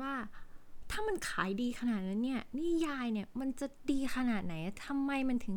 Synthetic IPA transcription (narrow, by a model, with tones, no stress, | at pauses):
waː˥˩t̪ʰaː˥˩ma˧nkʰaː˩˦jdiː˧kʰa˧naː˨˩t̪̚na˦˥nːi˥˩ɐniː˥˩jaː˧jni˥˩ɐma˧nt͡ɕa˨˩diː˧xʰa˧naː˨˩t̪̚na˩˦jʔa˧˩t̪ʰa˧mːa˧jma˧nt̪ʰɯ˩˦